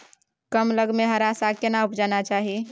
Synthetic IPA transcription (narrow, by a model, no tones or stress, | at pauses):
kəmləɡmeɦəɾasakenaupd͡ʒanat͡ʃaɦi